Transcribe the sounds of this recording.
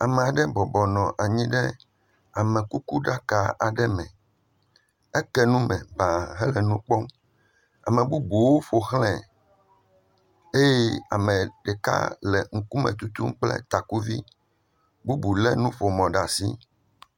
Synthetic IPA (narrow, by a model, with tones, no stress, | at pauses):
a˨mɛ˨a˨ɖɛ˦bɔ˨bɔ˨nɔ̃˨ʔa˨ɲĩ˦ɖɛ˦ | a˨mɛ̃˨ku˦ku˦ɖa˦ka˨ʔa˨ɖɛ˦mɛ̃˨ | ɛ˦kɛ˦nũ˦mɛ̃˨ba˨ɦɛ˦lɛ˨nũ˦k͡pɔ˦m | a̰˨mɛ̃˨bu˦bu˨wo˦fo˨xlɛ̃˨ | e˦je˦a̰˨mɛ̃˨ɖɛ˨ka̰˦lɛ˨ŋ̩˨ku˦mɛ̰̃˨t̪u˦t̪u˦mk͡plɛ̰˦t̪a˨ku˦vi˦ | bu˦bu˨lɛ˦nũ˦ɸo˨mɔ̃˨ɖa˨si˦